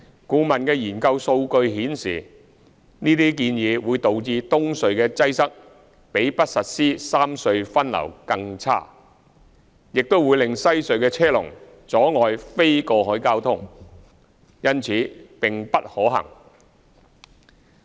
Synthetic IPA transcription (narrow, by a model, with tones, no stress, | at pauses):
kuː˨˧mɐ˨nkɛː˧jiː˨˩nkɐ˧wso˧wkɵ˧ɥɦiː˨˥nsḭː˨˩ | niː˥t̪iː˥kiː˧njiː˨˧wuː˨˧jt̪o˨wt͡siː˧t̪ʊ˥ŋsɵ˨ɥkɛː˧t͡sɐ˥jsɐ˥k̚ | pe˨˥jpɐ˥t̚sɐ˨t̚siː˥saː˥msɵ˧ɥfɐ˥nlɐ̰˨˩wkɐ˧ŋt͡sʰa̰ː˥ | jɪ˨k̚t̪o˥wuː˨˧jlɪ˨ŋsɐ˥jsɵ˨˧ɥkɛː˧t͡sʰɛː˥lʊ̰˨˩ŋ | t͡sɔː˨˥ŋɔː˨jfe˥jkɔː˧ɦɔː˨˥jkaː˥wt̪ʰʊ˥ŋ | jɐ˥nt͡sʰiː˨˥pɪ˨ŋpɐ˥t̚hɔː˨˥ɦɐ̰˨˩ŋ